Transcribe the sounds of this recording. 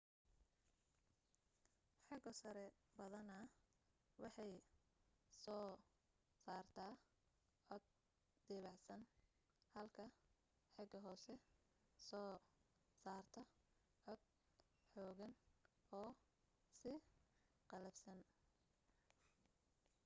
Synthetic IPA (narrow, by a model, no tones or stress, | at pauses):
ħɑɡɔsɐɾɛbɐðɐnɐ | wʔɑħɑj | sɔː | saːrt̪ʰaː | ʕɔd̪̚ | d̪̥ɛːβʕsɐn | hɐlkʰɐ | ħɑɡɐɦɔːsɛ | sɔː | saːrt̪ʰɐ | ʕɔd̪̥̚ | ħɔːɣɐnɔː | sɪ | qɑlɐbsɐn